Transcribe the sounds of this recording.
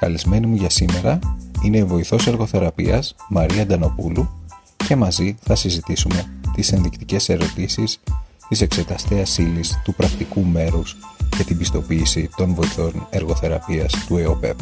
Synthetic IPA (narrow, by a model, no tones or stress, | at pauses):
kɐlizme̞nimuʝɐsime̞ɾɐine̞ːvo̞iθo̞se̞ɾɣo̞θe̞ɾɐpḭɐsmɐɾiɐd̪ɐno̞pulu | ce̞mɐziθɐsizit̪isume̞t̪ise̞nðikt̪ice̞se̞ɾo̞t̪isis | t̪ise̞kse̞t̪ɐst̪eɐsilist̪upɾɐkt̪ikume̞ɾuscɐt̪ibist̪o̞piːsit̪o̞nvo̞iθo̞ne̞ɾɣo̞θe̞ɾɐpiɐst̪ue̞o̞pe̞̰p